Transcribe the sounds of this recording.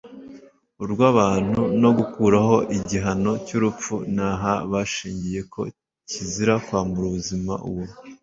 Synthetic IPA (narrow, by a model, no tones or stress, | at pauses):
uɾɡwaːβaːn̥huno̞ɡukuːɾaɦo̞ʔiɟiɦano̞cuɾup͡funaɦaβaʃiːɲɟije̞kʰo̞̰ | ciziɾakwaːmbuɾuβuzima̰ʔṵβo